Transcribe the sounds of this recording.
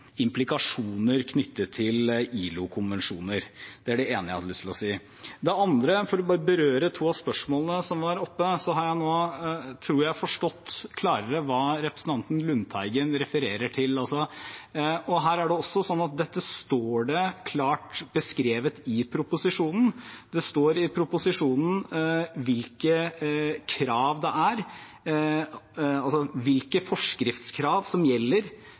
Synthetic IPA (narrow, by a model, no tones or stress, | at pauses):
ɪmplɪkɑʂuːnəɾkʰnʏt̪ːət̪ʰɪliːlʊkʰʊnʋɛnʂuːnəɾd̪̥ɛæɖɛeːnəlʏst̪ɪlɔsiː | d̪ɛɑnd̪ɾəfɔɾɔbɑːɾəbəɾøːɾət̪ʰuːɑspœʂmoːlənəsɔmʋɑɾɔpːəsɔɦɑɾjæɪnoːt̪ʰɾuːɾjæɪfɔʂʈɔt̪ːkʰlɑːɾəɾəʋɑːɾɛpɾəsn̩ɑnt̪n̩lʉnt̪ʰæɪɡənɾɛfəɾeːɾəʈʰɪlɑlsɔ | ɔɦæːɾæɖɛɔsːɔsɔnːɑt̪̚d̪ɛt̪ːəst̪oːɖɛkʰlɑːʈbəskɾeːʋət̪ɪpʰɾʊpʊsɪʂuːnn̩d̪ɛst̪oːɾɪpʰɾʊpʊsɪʂuːnn̩ʋɪlkə | kʰɾɑːʋd̪ɛæɾ | ɑlsɔʋɪlkəfɔʂkɾɪft̪skʰɾɑːʋsɔmjɛlːəɾ